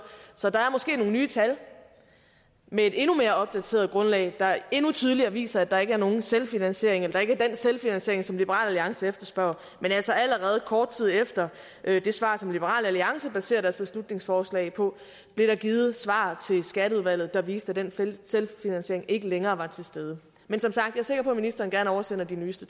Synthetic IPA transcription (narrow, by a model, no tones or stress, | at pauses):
sɒ̽dɑ̈æɐmɒ̽sɡ̥e̝̰ːno̝ːn̩nyːt͡sʰæl | mee̝d̥e̝nume̝ːɐɒ̽b̥̚d̥æt͡sʰe̝ːɐð̩ˠɡ̥ʁɔ̽nlɛ̰ɪd̥ɑ̈e̝nut͡sʰyːð̞ˠliɐʋḭːsɐæd̥ɑ̈e̝ɡ̥əæɐno̝ːn̩selfinænsɕe̝ɐeŋelɐd̥ɑ̈e̝ɡ̥æɐd̥enselfinænsɕe̝ɐeŋsɒ̽mlib̥əʁɑ̰̈ːlæliɑ̈ŋsəefd̥ɐsb̥ɶɐ̰ʊ̰ | menælsɐæləʁɛːð̞̩ˠkʰɒːd̥̚t͡sʰið̞̰ˠefd̥ɐ | ʔød̥e̝sʋɑ̰̈ːsɒ̽mlib̥əʁɑ̰̈ːlæliɑ̈ŋsəb̥æse̝̰ɐd̥æɐsb̥e̝slud̥̚ne̝ŋsfɒːslɛ̰ɪpʰɒ̽ | b̥le̝ɾ̥ɑ̈ɡ̥iːð̞̩ˠsʋɑ̰̈t͡sʰe̝lsɡ̥æɾ̥əuðˠʋæl̰ð̩ˠd̥ɑ̈ʋiːsd̥æd̥enfselfinænsɕe̝ɐ̰eŋe̝ɡ̥əleŋɐːʋɑ̈t͡sʰe̝sd̥eːð̞ˠə | mensɒ̽msɑ̈ɡ̥̚d̥jɑ̈ːɐse̝ɡ̥ɐpʰɒ̽æminisd̥ɐːn̩ɡ̥æɐnɒʊɐsen̰ɐd̥inyːsd̥ə